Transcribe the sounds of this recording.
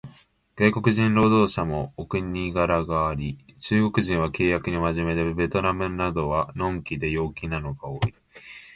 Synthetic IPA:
ɡ̥aiko̞kɯ̟ʑĩnɾo̞ːd̪o̞ːɕamo̞ːkɯ̟ɲʲiɡaɾaɡaːɾʲit͡ɕɨːɡo̞kɯ̟ʑĩɰ̃β̞ake̞ːjakɯ̟ɲ̟imaʑime̞d̪ebe̞t̪o̞namɯ̟nad̪o̞βanõ̞ŋkʲid̪e̞jo̞ːkʲinano̞ɡao̞ːi

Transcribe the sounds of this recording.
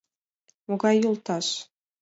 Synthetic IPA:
moɡɑjːulˠt̪ɑʃ

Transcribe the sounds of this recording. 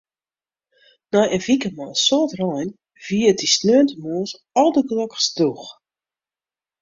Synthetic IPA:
nɔjənvikəmɔsɔtrɔjn | v̥iətisnøəntəmoəs | ɔlˠdəklɔkəsdux

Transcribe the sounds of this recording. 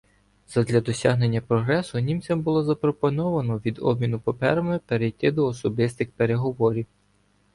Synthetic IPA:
zɐd̪lʲɐd̪ɔsʲaɦne̞nʲːɐpɾɔɦɾɛsʊnʲimt͡sʲɐmbʊlˠɔzɐpɾɔpɔnɔʋɐnɔʋʲid̪ɔ̰b̚mʲinʊpɐpɛ̰ɾɐmɪpeɾejt̪ɪd̪ɔːsɔbɪst̪ɪxpeɾeɦɔʋɔɾʲiw

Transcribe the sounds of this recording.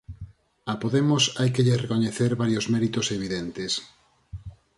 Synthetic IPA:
apoðemosajkeʎerekoɲeθeɾβaɾjozmɛɾit̪oseβ̞iðent̪es

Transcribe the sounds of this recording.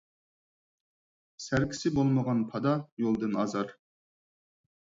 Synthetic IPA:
sæɾkʲi̥sɪbolˠməʁɑnpʰɑd̪ɑjolˠd̪ɨnɑzɑɾ

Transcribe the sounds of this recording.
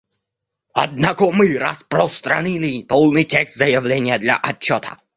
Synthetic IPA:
ɐ̰d̪̚nakɔmɨɾa̰spɾɔst̪ɾa̰nilʲɪpɔlˠnɨjtʲɛkst̪zɐjɐvlʲenʲɪjɐd̪lʲɐ̰ʔɐt͡ɕːɔt̪ʰɐ̥̰

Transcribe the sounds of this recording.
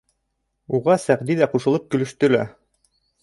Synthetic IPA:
uʁɑsæʁd̪iðæquʃɤ̆lˠɤp̚kɵ̆lɵ̆ʃt̪ɵ̆læ̰

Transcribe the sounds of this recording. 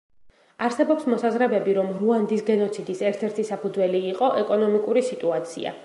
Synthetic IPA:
aɾsɛbɔpsmɔsazɾɛbɛbiɾɔmɾuand̪isɡɛnɔt̪sʰid̪isɛɾt̪ʰɛɾt̪ʰisapʰud̪zwɛliːqʼɔʔɛkʼɔnɔmikʼuɾisit̪ʼuat̪sʰḭa̰

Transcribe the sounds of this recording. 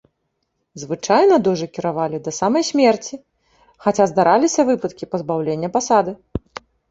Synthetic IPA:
zvɨt͡ʂajnɐd̪ɔʐɨkʲiɾavalʲid̪ɐsamɐjsʲmʲɛrt͡sʲi | xat͡sʲazd̪aɾʔalʲisʲɐvɨpɐt̪kʲipɐzbawlʲenʲːɐpasad̪ɨ

